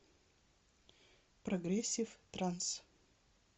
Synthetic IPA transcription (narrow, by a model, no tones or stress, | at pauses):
prɐɡɾʲesʲift̪ɾans